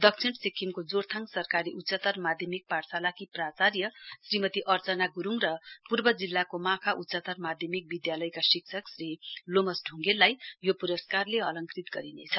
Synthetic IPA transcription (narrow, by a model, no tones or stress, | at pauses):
d̪ʌkt͡sʰiɳsikʰːimkod͡zort̪ʰaŋɡsʌrkaɾiʔutːt͡sʌt̪ʌrmad̪ʱjʌmik̚parsalakiprat͡sarjʌsrimʌt̪iʔʌrt͡sʌnaɡuɾuŋrʌpurbʌd͡zilːakomãkʰaʔutːsʌt̪ʌrmad̪ʱjʌmik̚bid̪jalʌjkasik̚sʰʌksrilomʌsɖʱuŋɡelːajjopuɾʌskarleɦʌlʌŋkrit̪ɡʌɾinḛt͡sʰʌ